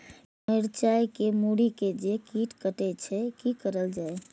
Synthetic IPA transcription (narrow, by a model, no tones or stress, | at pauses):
mɪɾt͡ʃajkemuɽiked͡ʒekiʈkəʈɛt͡ʃʰɛkikəɾəld͡ʒae